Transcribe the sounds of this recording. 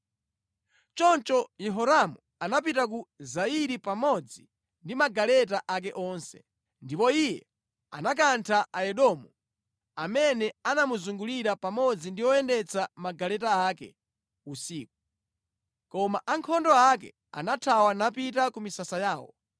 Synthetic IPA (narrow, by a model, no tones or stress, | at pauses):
t͡ʃɔnt͡ʃɔjɛɦɔɾamu | anap̬itak̬uzaiɾipamɔd͡zi | ndimaɡalɛtaʔak̬ɛʔɔːnsɛ̥̰ | ndipɔijɛ | a̰nak̬antʰaʔaɛɗɔmu | amɛnɛanamuzuŋɡuliɾapamɔd͡zindiwɔɛndɛt͡sʰamaɡalɛtaakɛ̰ | usiːk̚u | kɔmaʔaŋkʰɔndɔak̬ɛ̰ | a̰natʰawanapitakumisasajaːwɔ̰